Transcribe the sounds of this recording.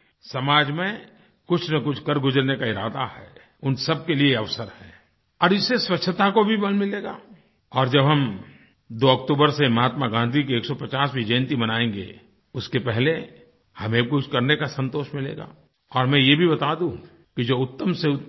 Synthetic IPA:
sɐmaːd͡ʒmẽ | kʊt͡ʃʰnɐkʊt͡ʃʰkɐɾɡʊd͡ʒəɾnekaɪɾaːd̪ahɛ̰ː | ʊnsɐb̚kelieɐʋsəɾhɛ̰ː | ɔːɾɪsːeswɐtʰːət̪akobʱibɐlmɪleːɡa̰ː | ɔːɾd͡ʒɐbɦɐm | d̪oːək̚t̪uːbəɾsemɐɦaːt̪maɡãːnd̪ʱikieːksɔpɐt͡ʃaːsbʱid͡ʒɐjənt̪imɐnaːẽːŋ̆ɡḛ | ʊskepɛɦle | hɐmẽkʊt͡ʃʰkɐɾnekasə̃nt̪oːʃmɪlḛːɡa̰ː | ɔːɾmɛ̃jebʱibɐt̪aːd̪ũ | kid͡ʒoːʊt̪ːəmse

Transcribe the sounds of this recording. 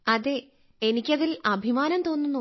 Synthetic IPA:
ɐðe | enikʲːɐðilɐbʱimaːnɐmt̪oːnːunːu

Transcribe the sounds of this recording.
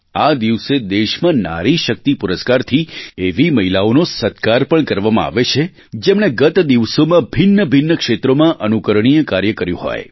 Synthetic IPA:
ad̪iʋsed̪eʃmãna̰ɾiʃək̚t̪ipʊɾəskaɾt̪ʰieʋiməɦilaonosət̪kaɾpəɳkəɾʋamãa̰ʋet͡ʃʰe | d͡ʒemɳ̃eɡət̪d̪iʋsomãbʱɪnːəbʱinːəkʃet̪ɾomãʔənukəɾɳ̃ijəkaɾjəkəɾjṵ̃ɦɔ̰j

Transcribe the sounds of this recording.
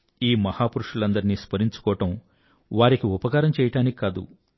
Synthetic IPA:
iːmɐhaːpuɾuʂulɐnd̪ɐɾiniːspɐɾiɲt͡ʃu̥kɔːɐʈɐm | ʋaːɾikiupɐkaːɾɐmt͡ʃɛːjɐʈaːnikikad̪ṵ

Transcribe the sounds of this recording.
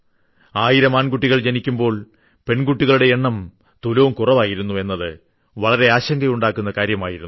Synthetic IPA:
aːjiɾɐmaːnɡuʈːiɣɐɭd͡ʑɐnikʲːumbo̞ːɭ | pe̞ɳɡuʈːiɣɐɭuɽe̞eɳːɐm | t̪ulo̞ːmkurɐʋaːjiɾunːue̞nːɐðɨ | ʋɐɭɐɾe̞aːɕɐŋɡɐjuɳɖaːkːunːɐkaːɾjɐmaːjiɾunː

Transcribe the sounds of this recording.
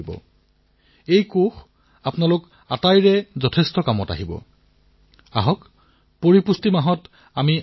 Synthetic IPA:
bɔ̰ | ejkox | apnalʊk | atajɹɛzɔtʰestɔkamɔta̰ɦibɔ̰ | aɦɔk | poɹipustimaɦɔt | ami

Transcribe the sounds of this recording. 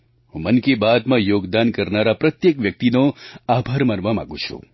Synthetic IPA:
ɦũmənkebad̪mãjoːɡd̪ankəɾnaɾapɾɐt̪jekʋjək̚t̪inoabʱaɾmənʋamã̰ɡṵ̃t͡ʃʰṵ̃

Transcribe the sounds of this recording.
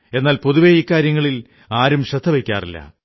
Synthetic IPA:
e̞nːaːlpoðuʋeiːkːaːɾjɐŋːɐɭil | aːɾumɕɐd̪ʱːɐʋekʲːa̰ːrilːɐ̰

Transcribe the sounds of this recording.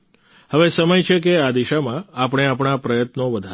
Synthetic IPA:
həʋesəməjt͡ʃʰekead̪iʃamãapɽ̃eapɳ̃apɾəjət̪noʋəd̪ʱa

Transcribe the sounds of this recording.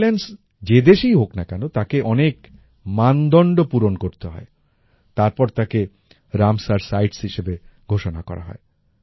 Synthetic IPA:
lens | d͡ʑed̪eʃijɦoknakɛnot̪akeʔɔnek | mand̪ɔɳɖopuɾonkoɾt̪eɦɔ̰e | t̪aɾpɔɾt̪ake | ɾamsaɾsajʈshiʃebeɡʱoʃonakɔ̰ɾa̰ɦɔ̰e

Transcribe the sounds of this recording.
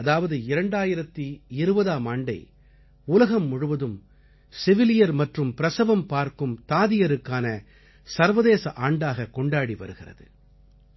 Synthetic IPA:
ɐðaːʋɐðɯɪɾɐɳɖaːjɪɾɐt̪ːiɪɾɯbɐðaːmaːɳɖɐɪ | ʊlɐɣɐmːʊɻʊʋɐðɯm | sɪʋɪlɪjɐɾmɐʈrɯmpɪɾɐsɐʋɐmpaːɾkɯmt̪aːðɪjɐɾɯkːaːnɐ | sɐɾʋɐðeːsɐʔaːɳɖaːɣɐkːɔɳɖaːɽiʋɐ̰ɾɯɣɪrɐ̰ðɯ̰

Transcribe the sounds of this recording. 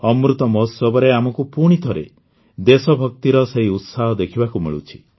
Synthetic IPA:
ɔmɾut̪ɔmɔsɔbɔɾeamɔkupuɽ̃it̪ʰɔɾḛ | d̪esɔbʱɔk̚t̪iɾɔseɦiut̪saɦɔd̪ekʰibakumḭɭṵt͡ʃʰi̥

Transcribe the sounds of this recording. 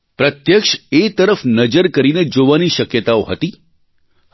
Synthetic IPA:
pɾət̪jəkʃet̪əɾəfnəd͡ʒəɾkəɾined͡ʒoʋaniʃəkjət̪aoɦət̪i

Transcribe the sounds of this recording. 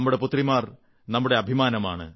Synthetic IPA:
mːuɽe̞put̪ːrimaːr | nɐmːuɽe̞ɐbʱimaːnɐma̰ːɳɨ̰

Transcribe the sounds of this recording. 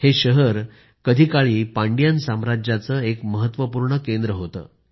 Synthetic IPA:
heɕəɦəɾ | kəd̪ʱiːkaɭiːpaɳɖjansamɾad͡ʑjat͡səːekməɦət̪ːʋəpuɾɳəkend̪ɾəɦot̪ə̰ː

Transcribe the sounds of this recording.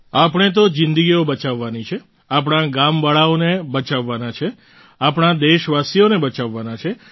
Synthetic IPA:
apəɳ̃et̪̬od͡ʒɪ̃nd̪əɡiobət͡ʃaʋːanit͡ʃʰe | ap̬ɽ̃aɡambaɭaonebət͡ʃaʋːanat͡ʃʰe | apɽ̃ad̪eʃʋasijonebət͡ʃaʋːanat͡ʃʰe

